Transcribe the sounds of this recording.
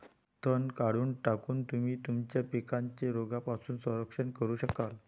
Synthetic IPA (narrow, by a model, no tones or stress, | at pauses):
t̪ʰənkaɽuːɳʈakuːnt̪umiːt̪umt͡ɕjapikãɲt͡ɕeɾoɡapasuːnsə̃ɾəkʂəɳkəɾuːɕəkal